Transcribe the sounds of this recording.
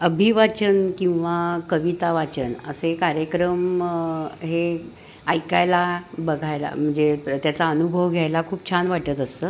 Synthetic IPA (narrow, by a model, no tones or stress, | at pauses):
əbʱiʋat͡ɕənkĩw̃ʋakəʋit̪aʋat͡ɕənəsekaɾjəkɾəm | ɦe | ajkajlabəɡʱajla̰m̤əɳd͡zet̪jat͡saənubʱəʋɡʱjajlakʰuːp̚t͡ɕʰanʋaʈət̪əst̪əː